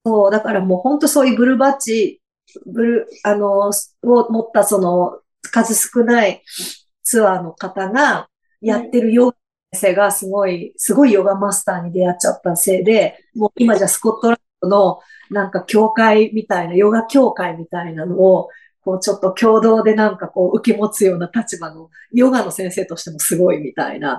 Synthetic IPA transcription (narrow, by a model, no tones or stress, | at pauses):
so̞ːd̪akaɾamo̞ːhõ̞nt̪o̞so̞ːjɯ̟bɯ̟ɾɯ̟bat͡ɕi | bɯ̟ɾɯ̟ano̞o̞mo̞t̪ːaso̞no̞̥ | kazɨsɨ̥kɯ̟nai | t͡sɨβaːno̞kat̪aɡa | jat̪ːe̞ɾɯ̟jo̞ɡa | se̞ːɡasɨɡo̞isɨɡo̞ijo̞ɡamasɨ̥t̪aːɲ̟id̪e̞jat͡ɕat̪ːase̞ːd̪e̞ | moːimaʑaːsɨ̥ko̞t̪ːo̞ɾapono̞ | nãŋkakʲo̞ːkaimʲit̪ainajo̞ɡakʲo̞ːkaimʲit̪ainano̞ː | ko̞ːt͡ɕo̞t̪ːo̞kʲo̞ːd̪o̞ːd̪e̞nãŋkako̞ːʔɯ̟kemo̞t͡sɨjo̞ːnat̪at͡ɕibano̞ | jo̞ɡano̞sẽ̞ɰ̃se̞ːt̪o̞ɕi̥t̪e̞mo̞sɨɡo̞imʲit̪a̰ḭna̰